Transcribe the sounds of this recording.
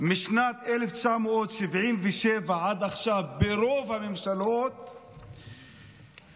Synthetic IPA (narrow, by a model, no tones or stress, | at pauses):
miʃnat̪eleft͡ʃamoot̪ʃivʕimveʃevaʕad̪aχʃavbeɾo̞vhamemʃalot̪